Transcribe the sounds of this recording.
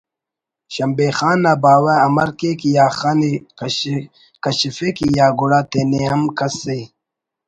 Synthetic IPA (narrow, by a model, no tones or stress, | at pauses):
ɕɐmbexaːnaːbaːwaɐmɐɾkekijaːxaːne | kɐɕifekijaːɡuɽaːt̪eneɐmkɐse